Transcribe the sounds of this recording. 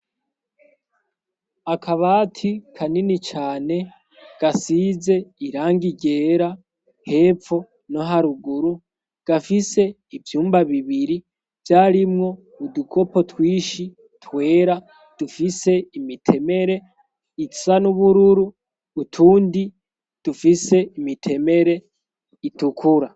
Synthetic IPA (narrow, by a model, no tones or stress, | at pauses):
akʰaβaːtʰikʰaninit͡ʃaːne̞ | ɡ̥asize̞iɾaːŋɡiɟe̞ːɾa | he̞ːp͡fo̞ | no̞ɦaɾuɡuɾu | ɡ̥afise̞ | ivjuːmbaβiβiɾi | vjaːɾimŋo̞ | udukʰo̞po̞twiːʃi | twe̞ːɾa | d̥ufise̞imitʰe̞me̞ɾe̞ | itsanuβuɾuɾuː | tʰuːndi | d̥ufise̞imitʰe̞me̞ɾe̞ | itukʰuɾa